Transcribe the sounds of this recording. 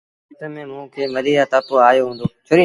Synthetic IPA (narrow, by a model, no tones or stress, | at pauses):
t̪əmẽːmũːkʰeːməɾiːjaːt̪aːpoaːjoɦũːn̆d̪oːt͡ʃʰoːɾĩ